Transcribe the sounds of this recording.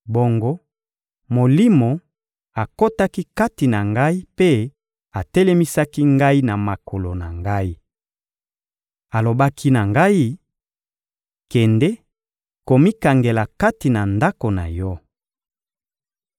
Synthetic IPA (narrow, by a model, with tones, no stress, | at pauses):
bo˨ŋɡo˦ | mo˨li˦mo˨ | a˨ko˦ta˦ki˦ka˦ti˨na˨ŋɡa˦i˦pe˦ | a˨tɛ˦le˦mi˦sa˦ki˦ŋɡa˦i˦na˨ma˨kʰo˨lo˨na̰˨ŋɡa˦i˦ | a˨lo˨ba˦kʰi˦na˨ŋɡa˦i˦ | kɛ˨ndɛ˦ | ko˨mi˦ka˨ŋɡe˨la˨ka˦ti˨na˨nda˦ko˨na̰˨jɔ˦